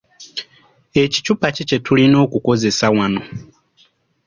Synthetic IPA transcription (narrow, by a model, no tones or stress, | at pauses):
e̞ci̥cupacit͡ʃetʰulino̞ːkuko̞ze̞sawano̞